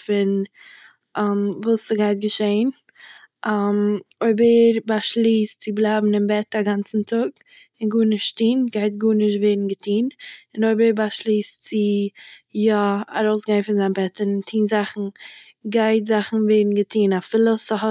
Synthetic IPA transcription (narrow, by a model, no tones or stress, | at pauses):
fɪn | ʔamvuːsəɡaɪt̚ɡəʃeɪn | ʔamoɪbəɾbaʃlˠiːst͡sɪblˠaːbm̩ɪmbɛtaɡant͡sn̩tʰʊɡ | ɪnɡuːnɪʃttiːnɡaɪtɡuːnɪʃtveɪdn̩ɡətʰiːnɪnoɪbəbaʃlˠiːst͡sɪ | jaa̰ɾoʊsɡaɪnfɪnzaɪnbɛtɪntʰiːnzaχn̩ | ɡaɪtzaχn̩veɪdn̩ɡətʰiːnafɪlˠəsəɦɔ